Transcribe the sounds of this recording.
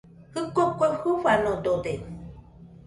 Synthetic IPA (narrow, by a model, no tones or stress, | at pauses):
hɨkokʷehuβanod̪od̪e